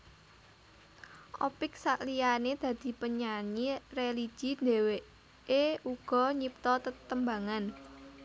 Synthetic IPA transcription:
ʔopɪk̚saʔlijaned̪̥ä̤d̪̥i̤pəɲaɲireli̥ʒ̥i̤nd̪ewe | euɡ̥ɔ̤ɲip̚t̪ɔt̪ət̪əmbaŋan

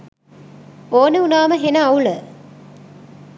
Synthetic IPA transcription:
oːnəunaːməɦenəawlə

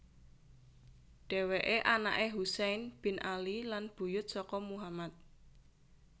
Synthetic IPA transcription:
ɖ̥ɛ̤weʔeʔana̰ʔeɦusɛjnb̥ɪ̤nʔalilanb̥ṳjʊt̪̚sɔkɔmuɦamat̪̚

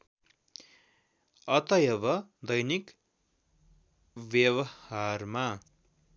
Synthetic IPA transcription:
ʌt̪ʌjʌbʌd̪ʌjnik | bjʌbʌarma

